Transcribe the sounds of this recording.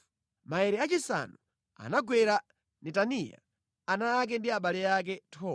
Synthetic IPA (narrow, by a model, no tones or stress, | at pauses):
maɛɾɛat͡ʃisa̰nu | a̰naɡwɛɾa | nɛtanija̰ | anaːk̬ɛndiaɓalɛak̬ɛtʰɔ